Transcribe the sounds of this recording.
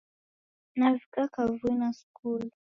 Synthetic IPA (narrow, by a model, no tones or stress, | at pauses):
navikakavuinasu̥kul